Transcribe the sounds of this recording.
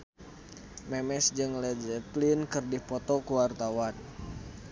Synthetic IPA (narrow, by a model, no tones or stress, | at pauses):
mɛmɛsd͡ʒɨŋlɛd͡ʒɛplinkɨrdipɔt̪ɔkuwart̪awan